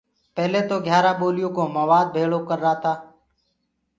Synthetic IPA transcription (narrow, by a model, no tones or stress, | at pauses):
pɛɦleːt̪oːɡʱjaːɾaːɓoːlɪjõːkoːməʋaːd̪̚bʱeːɭoːkəɾːaːt̪aː